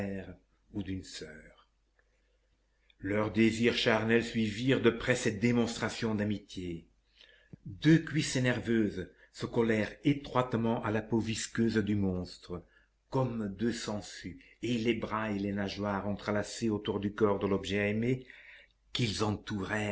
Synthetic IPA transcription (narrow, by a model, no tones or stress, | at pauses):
ɛʁ | ud̪ynsœːʁ | lœʁd̪eziːʁʃaʁnɛlsɥiviːʁd̪əpχɛsɛt̪̚d̪emɔ̃st̪χasjɔ̃d̪amit̪je | d̪økɥisenɛʁvøːz | səkɔlɛʁet̪χwat̪mɑ̃ʔalapoviskøːzd̪ymɔ̃st̪χə | kɔmd̪øsɑ̃sy | elebʁaelenaʒwaːʁɑ̃t̪χəlaseot̪uʁd̪ykɔʁd̪əlɔbʒɛɛme | kilzɑ̃t̪uʁɛ